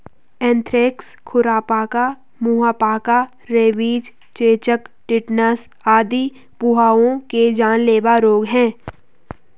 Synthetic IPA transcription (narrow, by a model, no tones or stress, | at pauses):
ɛ̃ːnt̪ʰɾeːks | kʰʊɾaːpaːka | muɦaːpaːka | ɾeːʋiːd͡ʒ | t͡ʃeːt͡ʃəkʈɪʈnəs | aːd̪i | pʊɦaːõked͡ʒaːnleːʋaɾoːɡɦɛ̃ː